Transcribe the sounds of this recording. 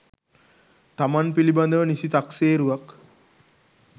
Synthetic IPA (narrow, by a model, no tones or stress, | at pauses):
t̪amanpiliband̪əʋənisit̪akseːɾuʋak